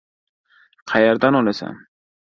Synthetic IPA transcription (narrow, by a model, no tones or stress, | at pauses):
qʰajaɾd̪anɔnɛsɛ̰m